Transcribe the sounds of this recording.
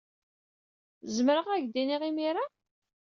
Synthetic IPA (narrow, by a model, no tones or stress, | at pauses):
zməɾəʁæʝd̪iniʁimiɾa